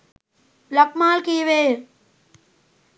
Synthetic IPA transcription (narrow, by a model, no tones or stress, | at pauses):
lɐk̚maːlkiːʋeː